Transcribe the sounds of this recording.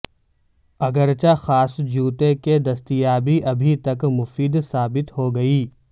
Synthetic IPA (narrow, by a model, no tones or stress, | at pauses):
ɐɡəɾt͡ʃaxaːsd͡ʒuːt̪eked̪ɐst̪ijaːbiʔɐbʱit̪ɐkmʊfiːd̪saːbɪt̪ɦoɡɐiː